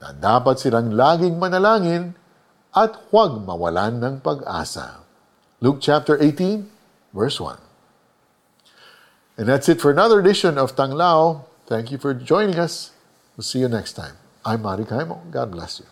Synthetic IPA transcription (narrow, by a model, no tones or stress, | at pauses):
nɐ̰d̪aːpɐt̪sɪlaŋlaːɡɪŋmɐnɐlaːŋɪn | ʔɐt̪̚hwaɡ̚mɐ̰wɐ̰lanːɐŋpɐɡʔa̰ːsa̰ | luk̚t͡ʃæp̚t̪əɹʔeɪt̪ĩn | vɛɹswʌ̰̃n | ʔɛ̃nðætsɨt̪fɔɹɐnʌðə˞d̪ɪʃɔ̃nɔv̥t̪ɐŋlaw | θæ̃ŋkjufɔɹd͡ʒɔ̃j̃nɪ̃ŋɐs | wɪlsiːjʊnɛkst̪ʰã̰ɪ̃m | ʔãjmːaɾikajmoɡɑ̰d̪̚blɛ̰sju